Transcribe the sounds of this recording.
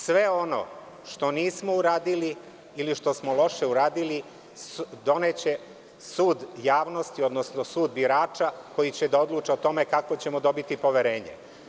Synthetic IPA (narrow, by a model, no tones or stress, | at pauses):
sʋe̞o̞no̞̰ | ʃt̪o̞niːsmo̞uɾaːd̪ili | iliʃt̪o̞smo̞lo̞ʃe̞uɾaːd̪ili | d̪o̞net͡ɕe̞ | suːd̪jaːʋno̞st̪io̞d̪no̞snosuːd̪biɾaːt͡ʃako̞jit͡ɕed̪ao̞d̪luːt͡ʃeot̪o̞me̞kakot͡ɕe̞mod̪o̞bit̪ipo̞ʋeɾe̞ːɲḛ